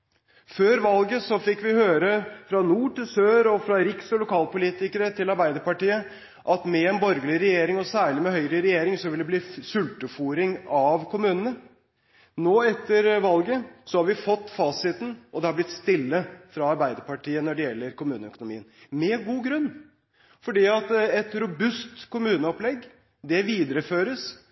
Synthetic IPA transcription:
føːɾʋɑlɡəsɔfɪkːʋɪhøːɾəfɾɑnuːʈɪlsøːɾɔfɾɑɾɪksɔlʊkʰɑːlpʊliːt̪ɪkəɾət̪ʰɪlɑɾbæɪd̪əɾpɑʈiːə | ʔɑt̪mɛɛnbɔɾɡlɪɾɛjeːɾɪŋɔsæːɭɪmɛhœʏɾəɾɛjeːɾɪŋsɔʋɪld̪ɛbliːsʉlt̪əfuːɾɪŋɑʋkʰʊmʉːnənə | noːɛt̪ːəɾʋɑlɡəsɔhɑɾʋɪfɔt̪ːfɑːsɪt̪n̩ʔɔd̪ɛhɑblɪt̪ːst̪ɪlːəfɾɑɑɾbæɪd̪əɾpɑʈiːənɔɖɛjɛlːəɾkʊmʉːnəœkʊnʊmiːənmɛɡuːɡɾʉnː | fɔɖiːɑt̪ɛt̪ɾʊbʉst̪kʊmʉːnəɔplɛɡː | d̪ɛʋiːd̪əɾəføːɾəs

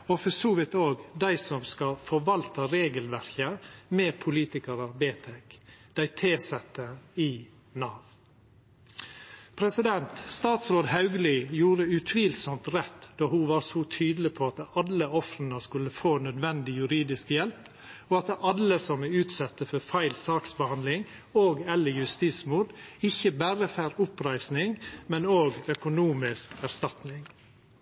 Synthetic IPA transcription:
ɔfɔsuːʋɪt̪oːɡd̪æɪsɔmskɑfɔɾʋɑlt̪əɾeːɡəlʋæɾkəmɛːpʰʊliːt̪ɪkəɾɑbeːt̪ʰɛkd̪̥æɪt̪ʰeːsɛt̪ːəɪ | nɑːʋ | pʰɾɛsɪd̪ɛnt̪st̪ɑːt̪sɾoːd̪ɦɑʉɡəlɪjuːɾəʉt̪ʰʋiːlsɔmt̪ɾɛt̪ːd̪̥ɑːhuʋɑːsɔːt̪ʰyːd̪əlɪpʰoɑt̪ɑləɔfɾənəskʉlːəfoːnœd̪ʋɛnd̪ɪjʉɾiːd̪ɪskjɛlp | ɔɑt̪ʔɑləsɔmɛʉːt̪sɑt̪ːəfɔɾfæɪlsɑːksbəhɑnd̪lɪŋ | oːɡɛlːəjʉst̪iːsmuːd̪ɪçəbæɾəfæːɾʊpɾæɪsnɪŋmɛnoːɡœkʊnuːmɪskæɾst̪ɑt̪nɪŋ

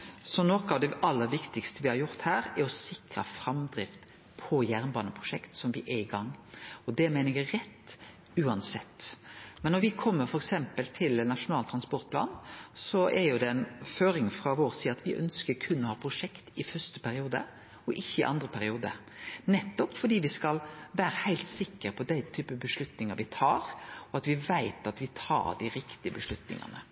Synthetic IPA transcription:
sɔnɔkɑʋd̪ɛʔɑlːəɾʋɪkt̪ɪkst̪əʋɪhɑɾjʊɾt̪hæːɾɛɾɔsɪkɾɑ̰fɾɑmd̪ɾɪft̪ | pʰɔjæːʁnbɑːnəpʰʁʊʂɛkt̪sɔmʋɪʔɛɪɡɑŋːɔd̪ɛmæɪnɛɡəɾɛt̪ː | ʉːɑnsɛt̪ːmɛnːɔɾʋɪkʰɔmːəɾfɔɾɛksɛmpəlt̪ʰɪlnɑʂʊnɑːlt̪ʰɾɑnspɔɾt̪̚pʰlɑ̰ːnsɔʔɛɾjʊd̪ɛɛnføːɾɪŋfɾɑʋoːɾsiːɑt̪ʋɪʔœ̰nskəɾkʰʉnːɔhɑːpʰɾʊʂɛkt̪ɪfœɾst̪ə̥pʰæɾɪuːd̪ə̰ | ɔʔɪçːəɪʔɑ̰nd̪ɾəpʰæɾɪuːd̪ə̰ | nɛt̪ːɔpfɔɖiːʋɪskɑlʋæːɾəhæɪlt̪sɪkːəɾpʰɔd̪æɪt̪ʰyːpəbəʂlʉt̪nɪŋəɾʋɪt̪ʰɑːɾɔɑt̪ʋɪʋæɪt̪ɑt̪ʋɪt̪ʰɑ̰ːɖ̪æɪɾɪkt̪ɪəbəʂlʉt̪nɪ̰ŋɑ̰nə̰

